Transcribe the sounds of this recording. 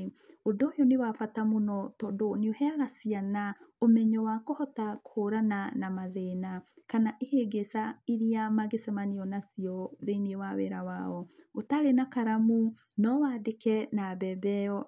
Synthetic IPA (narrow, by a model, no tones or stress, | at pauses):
odojɔnewafatamonɔtɔːdoneohɛaɣasianaomɛɲɔwakohɔtakhoɾananamaðeːnakanaʔeheɡesaiɾiamaɡesɛmaniɔnasiɔðeniewawḛɾawa̰ɔotaɾenakaɾamu | nɔwaːdekɛnabɛbɛɔ